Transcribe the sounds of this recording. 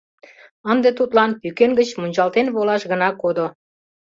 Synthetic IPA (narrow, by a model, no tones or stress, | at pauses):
ənd̪et̪ut̪lɑnpykenɡət͡ɕmunʲt͡ɕɑlt̪enβolɑʃɣənɑkod̪o